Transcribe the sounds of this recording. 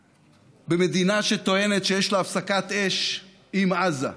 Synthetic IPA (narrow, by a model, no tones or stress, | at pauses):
beme̞d̪inaʃe̞t̪o̞e̞ne̞t̪ʃejeʃlaafsakat̪e̞ʃ | ʔimaza̰